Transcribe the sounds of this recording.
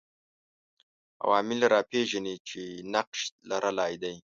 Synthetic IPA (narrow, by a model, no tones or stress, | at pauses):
a̰wɑːmɪlɾɑpʰeʒanit͡ʃenaqʃlaɾʔalɑːjd̪aj